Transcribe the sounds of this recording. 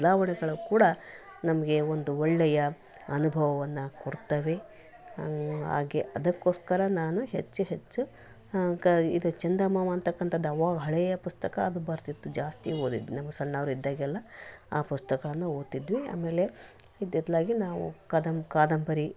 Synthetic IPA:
d̪laːʋɐɳɛɡɐɭukuːɽɐnɐmɐɡe̞ond̪uɔɭːɛjɐ | ɐnubʱɐʋɐʋɐnːɐkoɽt̪ɐʋe̞ | ɦa̰ːɡeʔɐd̪ɐkːo̞ːskɐɾɐnaːnuɦet͡ʃːuɦe̞t͡ʃːu | ḭd̪ut͡ʃɐnd̪ɐmaːmɐːnt̪ɐkːɐnt̪ʰɐd̪ːɐʋaːɡɦɐɭɛjɐpust̪ɐkɐːd̪ubɐɾt̪it̪ːud͡ʒaːst̪iɦoːd̪ḭd̪ʋinɐmːɐsɐɳːɐʋɾuid̪ːaːɡɛlːɐaːpust̪ɐkɐɭɐnːuoːt̪id̪ʋia̰ːme̞ːle̞ | id̪ɛd̪laːɡinaːʋṵkɐd̪ɐmkaːd̪ɐmbɐɾi

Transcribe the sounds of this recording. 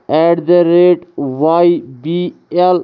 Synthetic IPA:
ɛʈd̪əɾeːʈʋajbiel

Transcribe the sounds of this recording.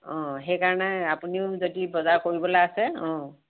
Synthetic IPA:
ɔ̃ɦɛjkaɹɔnɛapuniʊzodibɔzakoɹibɔlaasɛɔ̃

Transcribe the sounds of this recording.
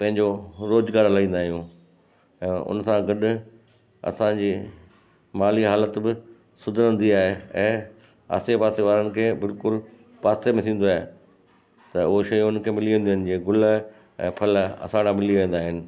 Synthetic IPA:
pɐ̃ɦɪ̃ɲd͡ʑoɾoːzɡaːɾlaĩːnd̪aːɦijũː | ɛ̃ːʔʊ̰nsãɡɐɗʊ̆ | ɐ̰sãd͡ʑiː | maːliɦaːlət̪bɪ | sʊd̪ʱəɾə̃nd̪iaːɦeɛ̃ː | a̰ːsepaːseʋaːɾənɪ̆kʰeːbɪlkʊl | paːstemẽt̪ʰĩːn̆d̪oaːɦe | t̪ɐʊɦoʃɐjʊnkʰeːmɪliʋẽːnd̪iɦɪnɪ̆d͡ʑeːɡʊl | ɛ̰̃ːpʰɐlɐ̰saːɽ̃amɪliʋẽːn̆d̪aːɦɪnɪ̆

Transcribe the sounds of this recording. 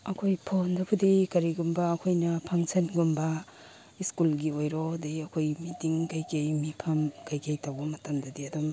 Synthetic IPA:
ɐkʰojpʰondɐpʰudikɐɾiɡumbɐːkʰojnɐpʰaŋsʰɐnɡumbɐ | iskulɡiojɾodeɐkʰojmitiŋkajkʰejmipʰɐmkajkʰejtawbɐmɐtɐmdɐdiɐdom

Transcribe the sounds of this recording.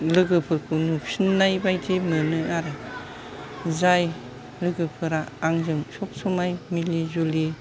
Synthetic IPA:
lɯɡɯpʰɯɾkʰɯnupsinːajbajtʰimɯnɯaɾɯ | zaj | lɯɡɯpʰɯɾaːŋzɯŋsɔp̚sɔmajmilizuli

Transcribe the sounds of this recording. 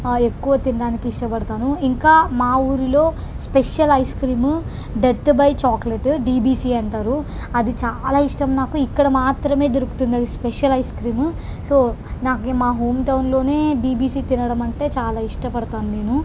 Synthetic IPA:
ekːuʋɐt̪inɖaːnikiiʂʈɐpɐɽɐt̪aːnuiŋkaːmaːuːɾilo̞ː | speʂjɐlɐjskɾiːm | ɖet̪bɐjt͡ʃaːkleʈɖiːbiːsiːɐɳʈaːɾu | ɐd̪it͡ʃaːlaːiʂʈɐmnaːkuikːɐɽɐmaːt̪ɾɐme̞ːd̪iɾuku̥t̪und̪iɐd̪ispeʂɐlɐjskɾiːm | so̞ːnaːkemaːɦoːmʈɐwunlo̞ːne̞ːɖiːbiːsiːt̪inɐɽɐmɐɳʈe̞ːt͡ʃaːlaːiʂʈɐpɐɽɐt̪aːnuneːnu

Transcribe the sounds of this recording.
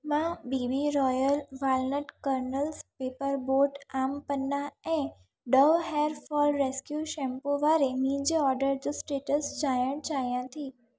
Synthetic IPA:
mãbibiɾɔjəlʋalnəʈkəɾnəlspepəɾboɾʈampənːaɛ̃ | ɖəʋɦeɾfɔlɾeskjuʃɛ̃mpoʋaɾemĩd͡ʒeɔɾɖəɾd͡ʒusʈeʈəsd͡ʒajəɳt͡ʃajãt̪ʰi

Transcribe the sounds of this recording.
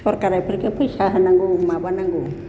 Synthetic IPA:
ɔɾkaɾajpʰəɾkepʰɔjsaɦənaŋɡumabanaŋɡu

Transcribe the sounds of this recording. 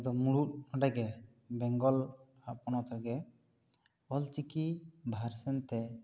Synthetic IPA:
d̪ɔmuɽut̪̚ɔɖaɡɛ | bɛŋɡɔl | apɔnɔt̪ʰɔɡɛ | ɔlt͡ʃikibʱaɾsɛnt̪ɛ

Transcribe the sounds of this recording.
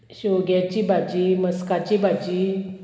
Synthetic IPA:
ɕoɡjat͡ɕiːbʱad͡ʑiːməskat͡ɕibʱad͡ʑi

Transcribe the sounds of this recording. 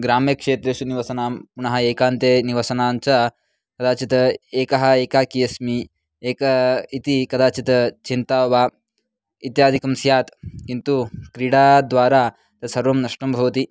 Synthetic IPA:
ɡɾaːmjɐkʂeːt̪ɾesuniʋɐsɐnaːmpuɳɐɦɐeːkaːnt̪jeniʋɐsɐnaːnt͡ʃa | kɐd̪aːt͡ʃit̪ɐeːkɐɦɐ̆eːkaːkijɐsmi | eːkɐit̪ikɐd̪aːt͡ʃit̪ɐt͡ʃint̪aːʋa | it̪jaːd̪ʱikɐmsjaːt̪kint̪ukɾiɽaːd̪ʋaːɾaː | t̪ɐsɐɾʋɐmnɐʂʈɐmbʱɐʋɐt̪i

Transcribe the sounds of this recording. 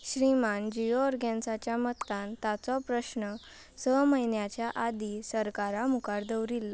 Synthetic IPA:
ɕɾimand͡ʑijoɾɡɛnsat͡ɕjamət̪ãnt̪at͡sɔpɾəɕnə | səməɦinjat͡ɕjaʔad̪isəɾkaɾamukaɾd̪əwɾilːa

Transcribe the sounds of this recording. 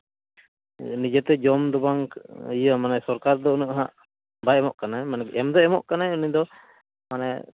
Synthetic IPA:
nid͡ʒɛt̪ɛd͡ʒɔmd̪ɔbaŋjəmanasɔɾkaɾd̪ɔunuʔɦaʔ | baɛmɔʔkanajmanɛɛmd̪ɔɛmɔʔkanaunid̪ɔ | mana

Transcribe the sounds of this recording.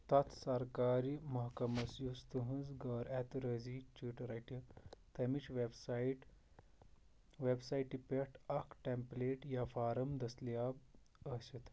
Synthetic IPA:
t̪at̪sɐɾkaɾimɐɦkɐmɐsjust̪uɦũd͡zɡɐɾɛt̪ɾəd͡zit͡ʃiʈɾaʈit̪ɐmit͡ɕʋebsiʈ | ʋebsaiʈipeʈʰɐkʰʈempleʈjafaɾəmd̪ɐslja | əɕet̪

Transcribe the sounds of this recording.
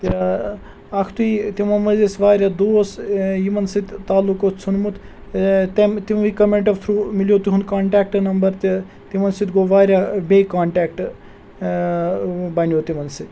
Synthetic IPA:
t̪iɾa | ɐkʰt̪uit̪imɐnmɐzesʋaːɾjad̪oːsjimɐnsit̪ʲt̪aːlːukott͡sʰunmut̪ʰ | t̪emt̪imʋikɐmeɳʈɐft̪ʰɾuːmilʲjot̪iɦunkaːɳʈaːk̚ʈnɐmbɐɾt̪i | t̪imɐnsit̪ɡoːʋaːɾʲjabeːkaːɳʈaːk̚ʈ | bɐnjot̪imɐnsit̪ʲ

